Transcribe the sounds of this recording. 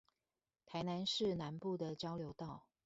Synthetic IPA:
t̪ʰa˧˥ɪna˧˦nʂɻ̩˥˩na˧˦npu˥˨d̪ə˨˩t͡ɕjɑ˥ʊljo˧˥ʊt̪ɑ˥˩ʊ

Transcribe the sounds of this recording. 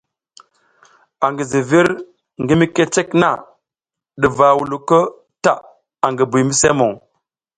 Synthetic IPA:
a˨ŋɡi˨zi˨vi˦ɾ | ŋɡi˦mi˦ke˦t͡ʃe˦kna̰˦˨ | ɗi˨va˨wu˨lu˨kə˦ | ta˦˨ | a˨ŋɡi˨bu˨mi˦se˦mo˨ŋ

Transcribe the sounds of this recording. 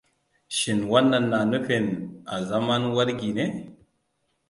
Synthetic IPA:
ʃi˨nwa˦nːa˨nːa˨nə˦fe˨na˨za˦ma˦nwa˦ɾɡi˨ne˦

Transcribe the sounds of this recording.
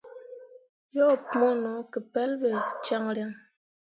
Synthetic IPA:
jɔ˦˨pmo˦nɔ˨˦kə˨pɛ˦lbɛ˨t͡ʃa˦ŋɾja˦ŋ

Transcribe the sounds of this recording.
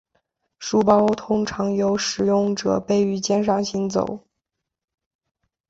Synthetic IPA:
ʂu˥˩pɑ˥ʊt̪ʰʊ˥ŋʈ͡ʂʰɑ˧˥ŋjo˧˥ʊʂɻ̩˨˩jʊ˥˩ŋʈ͡ʂɤ̰˨˩pe˥˩ɪy˧˥t͡ɕjɛ˥nʂ̬ɑ˥˩ŋɕi˧˥nt͡so̰˨˩˦ʊ

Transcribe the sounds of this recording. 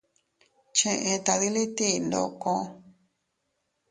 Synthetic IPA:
t͡ʃẽ˧ʔẽ˧t̪a˧ði˧li˦t̪i˦˧nd̪o̰˧kõ˦˧

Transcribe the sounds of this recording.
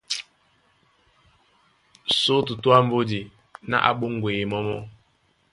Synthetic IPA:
so˦tu˨tu˦a˦m̩˦bo˦di˨ | na̰˦ʔa̰˨ɓo˦ŋ˨ɡwe˨e˨mɔ˦mɔ̰˦˨

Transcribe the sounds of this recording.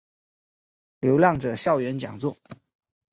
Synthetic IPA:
ljo˧˥ʊljɑ˥˩ŋʈ͡ʂɤ˨˩ɕjɑ˥˩ʊɥɛ˧˥nt͡ɕjɑ̰˨˩ŋt͡swɔ˥˩

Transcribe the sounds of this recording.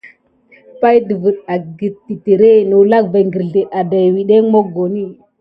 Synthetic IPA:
pa˦jdə˨və˨ɗa˨ɡi˨ti˨te˨ɾe˦no˨la˦kva˨ŋɡə˨ɾɮe˨ʔa˨da˨jwi˨ɗe˦mo˦ɡo˨ni˦

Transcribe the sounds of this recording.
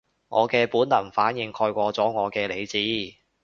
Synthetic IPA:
ŋɔː˨˧kɛː˧puː˨˥nlɐ˨˩nfaː˨˥njɪ˧ŋkʰɔː˧jkʷɔː˧t͡sɔː˨˥ŋɔː˨˧kɛː˧le˨˧jt͡siː˨˥

